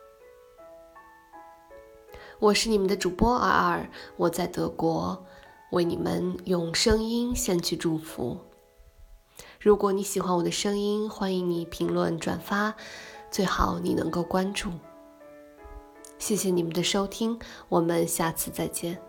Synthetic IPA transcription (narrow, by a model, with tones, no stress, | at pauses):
wɔ˨˩ʂɻ̩˥˩i˨˩mə˧˦nd̪ə˧ʈ͡ʂu˨˩pwɔ˥ʔə̰˧˥ə˨˩wɔ˨˩t͡sa˥˩ɪt̪ɤ˧˥kwɔ˧˥we˥˩ɪni˨˩mə̰˦njʊ˥˩ŋʂɤ˥ŋi˥nɕjɛ˥˧nt͡ɕʰy˥˧ʈ͡ʂu˥˩fṵ˧˥˦ | ɻu˧˥kwɔ˧˥ni˧˥ɕi˨˩xwa˥nwɔ˨˩d̪ə˦ʂɤ˥ŋi˥nxwa˥ni˧˥ŋni˨˩pʰi˧˥ŋlwə˥˩nʈ͡ʂwa̰˨˩nfa˥t͡swe˥˩ɪxɑ˨˩˦ʊni˨˩nɤ̰˧˥ŋko˥˩ʊkwa˥nʈ͡ʂu˥˩ | ɕjɛ˥˩ɕjɛ˨˩ni˨˩mə˧˦nd̪ə˨ʂo˥ʊt̪ʰi˥ŋwɔ˨˩mə˧˦nɕja˥˧˩t͡sʰɹ̩˥˧t͡sa˥˧ɪt͡ɕjɛ˥˩n